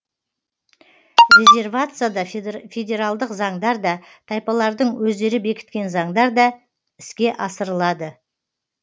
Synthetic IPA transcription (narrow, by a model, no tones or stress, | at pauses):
ɾʲe̞zʲe̞rvat̪sɨjad̪ɑfʲe̞dʲe̞ɾalˠd̪əqzɑɴd̪ɑɾd̪ɑt̪ʰɑjpɑlˠɑɾd̪əɴwɵzd̪e̞ɾɪbe̞kʲɪ̥t̪̚kʲe̞nzɑɴd̪ɑɾd̪ɑ | ɪ̥skʲe̞ʔɑsəɾəlˠɑd̪ə